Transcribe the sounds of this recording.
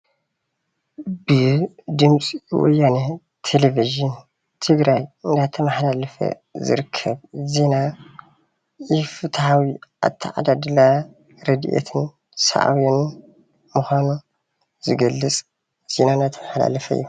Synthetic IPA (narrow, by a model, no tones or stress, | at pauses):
bɨd̪ɨmt͡sʼiwɔ̰jːanɐ | t̪ʰeleviʒɨn | t̪ʰɨɡɾajɨnd̪at̪ʰɐmɐħlalɐfɐ̰ | zɨ̰ɾɨkʰːɐbzena | jɪfɨt̪ʰhawiʔa̰t̪ʰːiʕa̰d̪ad̪ɨla | ɾɐd̪iʔḛt̪ʰɨn | sa̰ʔa̰win | mɨxʷanu | zɨɡɐlːɨt͡sʼ | z̥enanat̪ʰɐmɐħla̰lɐfɐɨ̰jːu